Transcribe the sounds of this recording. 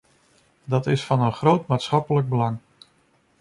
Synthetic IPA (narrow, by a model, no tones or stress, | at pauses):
dɑtɪsfɑnənχrowtmaːtsχɑpələɡ̚bəlɑŋ